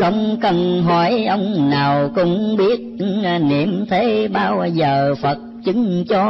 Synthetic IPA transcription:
ə̰˧˩wŋ͡mkə˧nɦɔ˨˩˦jʔə˧wŋ͡mnaː˨˩wkʊ̰˧˥ŋ͡mŋ͡mɓi˦˥ət̚nḭ˨əmt̪ʰe˨˦ɓaː˧wzəː˨˩fə˨˩t̚t͡ɕɨ˨˦ŋt͡ɕɔ˧˦

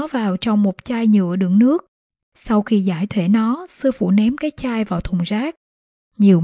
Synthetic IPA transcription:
vaː˨˩wt͡ɕɔ˧wŋ͡mmo˨˩t̚t͡ɕaː˧jɲɨ̰˧˨əɗɨ̰˧˩ŋnɨ˦˥ək̚ | sa˧wxi˧zaː˧˩jt̪ʰwe˧˩nɔ˨˦sɨ˧əfṵ˧˩nɛ˨˦mkaː˨˦jt͡ɕaː˧jvaː˨˩wt̪ʰʊ˨˩ŋ͡mzaː˦˥k̚ | ɲi˨˩əw

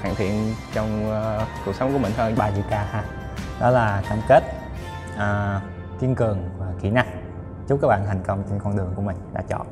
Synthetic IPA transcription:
xaː˧˩ŋt̪ʰḭ˧˨ənt͡ɕɔ˧wŋ͡mku˨˩k̚sə˨˦ŋ͡mku˧˩mï˨˩ŋ̟hʰəː˧ɓaː˧t͡ɕḭ˧˨kaː˧haː˧ | ɗɔ˨˦laː˨˩kaː˧mke˦˥t̚ | ʔəː˨˩ | ki˧ənkɨ˨˩əŋvaː˨˩ki˧˩na˧ŋ | t͡ɕu˦˥kaː˦˥k̚ɓa̰ː˧˨ɦï˨˩ŋ̟kə˧wŋ͡mt͡ɕe˧nkɔ˧nɗɨ˨˩əŋku˧˩əmi˨˩ŋ̟ɗa̰ː˧˥t͡ɕɔ̰˧˨n

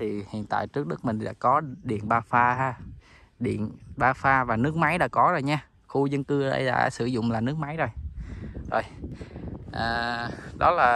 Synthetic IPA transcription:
t̪ʰi˨˩hḭ˧˨ənt̪a̰ː˧˨jt͡ɕɨ˦˥ək̚ɗɨ˦˥k̚mï˨˩ŋ̟ɗa̰ː˧˥kɔ˨˦ɗḭ˧˨ənɓaː˧faː˧ɦaː˧ | ɗḭ˧˨ənɓaː˧faː˧vaː˨˩nɨ˦˥k̚ma˨˦jɗa̰ː˧˥kɔ˨˦zoː˨˩jɲaː˧ | xu˧zə˧nkɨ˧ə̰˧jɗa̰ː˧˥sɨ˧˩zʊ̰˧˨ŋ͡mlaː˨˩nɨ˦ək̚ma˨˦jzo˨˩j | zo˨˩j | ʔaː˨˩ɗɔ˨˦laː˨˩

